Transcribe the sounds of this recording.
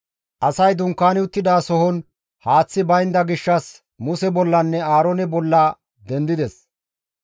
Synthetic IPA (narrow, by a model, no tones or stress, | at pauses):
ʔɐsɐjd̪ʊŋkːaːnɪʊt̪ːɪd̪aːsɔhɔn | haːt͡sːɪbɐjnd̪ɐɡɪʃːɐs | mʊsɛbɔlːɐnːɛaːɾɔnɛbɔlːaː | d̪ɛnd̪ɪd̪ɛs